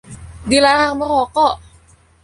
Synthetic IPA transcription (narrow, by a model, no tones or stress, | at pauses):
dilaɾaɦaŋməɾɔkɔ